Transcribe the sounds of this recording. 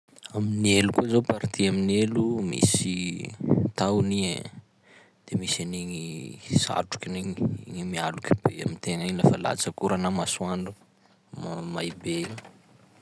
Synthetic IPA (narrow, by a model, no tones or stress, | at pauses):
aminielukuzopaɾit̪iaminelumḭsi | t̪awni | d̪̥emisaniŋisa̰ʈ͡ʂu̥kʲiniŋiŋimialukʲi̥b̥ea̰mint̪eŋaiɲlafəla̰t͡sakuɾanamasuaɳɖ͡ʐu | majbe